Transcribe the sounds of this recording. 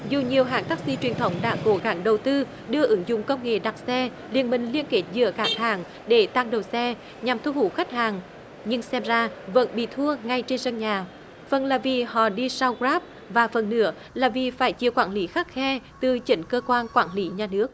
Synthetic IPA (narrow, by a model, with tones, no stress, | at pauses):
zu˨˩ɲi˨˩əwɦaː˨˩ŋt̪aː˦˥k̚sḭ˧˥t͡ɕwi˨˩ənt̪ʰə˨˦wŋ͡mɗa̰ː˧˥ko˨˦ɣa˧˦ŋɗə˨˩wt̪ɨ˧ | ɗɨ˧əʔɨ˨˦ŋzʊ̰˧˨ŋ͡mkə˧wŋ͡mŋḛ˧˨ɗa˨˩k̚sɛ˧ | lḭ˨ənmï˨˩ŋ̟li˧ənke˦˥t̚zɨ̰˧˥əkaː˨˦h̪aː˧˩ŋ | ɗe˧˩t̪a˧ŋɗə˨˩wsɛ˧ | ɲa˨˩mt̪ʰu˧hu˧˦xa˦˥k̚haː˨˩ŋ | ɲɨ˧ŋsɛ˧mzaː˧və̰˧˥nɓḭ˧˨t̪ʰu˧əŋa˧jt͡ɕe˧nzə˧ŋɲaː˨˩ | fə˨˩nlaː˨˩vi˨˩hɔ̰˧˨ɗi˧sa˧wɣɾaː˦˥p̚ | vaː˨˩fə˨˩nːɨ̰˧˥ə | laː˨˩vi˨˩faː˧˩jt͡ɕḭ˨˧˨əwkwaː˧˩nli˨˦xaː˦˥k̚xɛ˧t̪ɨ˨˩t͡ɕï˨˦ŋ̟kəː˧kwaː˧nkwaː˧˩nli˨˦ɲaː˨˩nɨ˦˥ək̚